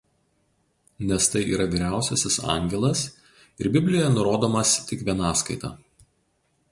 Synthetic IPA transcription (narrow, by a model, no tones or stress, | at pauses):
nʲɛst̪ɐɪʔiːɾɐʋʲiːɾʲæˑʊsʲɛsʲɪsɑ̰ŋʲɡʲɛlˠɐs | ɪɾbʲɪbʲlʲɪjoːjɛnʊɾoːd̪oːmɐst̪ʲɪkʋʲiɛnɑːskɐɪt̪ɑ̰ː